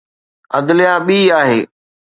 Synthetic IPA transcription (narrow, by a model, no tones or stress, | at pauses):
ɐd̪lɪjaɓiːaːɦeː